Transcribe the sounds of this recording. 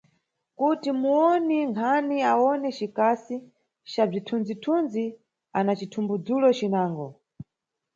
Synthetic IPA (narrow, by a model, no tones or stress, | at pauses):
kutimuɔniŋkʰaniawɔnɛt͡ʃikasi | t͡ʃab͡ʐitʰund͡zitʰunzi | anat͡ʃitʰumbud͡zulɔt͡ʃinaːŋɡɔ